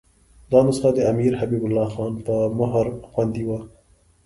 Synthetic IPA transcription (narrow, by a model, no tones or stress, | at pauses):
d̪ɑnəsxad̪əamiɾɦabiːbʊlːɑxɑnpəmaɦɾxwand̪iwa